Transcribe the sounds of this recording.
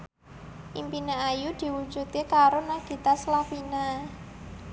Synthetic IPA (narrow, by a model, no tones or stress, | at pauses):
ʔimpinaajud̪̥i̤wu̥d͡ʒṳt̪̚kekaɾonaɡ̥i̤t̪aslafina